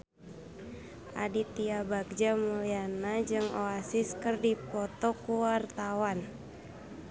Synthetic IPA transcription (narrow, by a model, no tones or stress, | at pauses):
ʔa̰dit̪iabaɡ̚d͡ʒamulianad͡ʒɨŋoasiskɨrdipɔt̪ɔkuwart̪awan